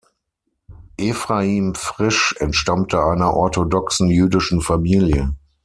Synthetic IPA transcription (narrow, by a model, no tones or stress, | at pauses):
ʔefʁaiːmfʁ̥ɪʃɛntʃtamtʰəʔaɪnɐʔɔɐtodɔksn̩jyːdɪʃn̩famiːljə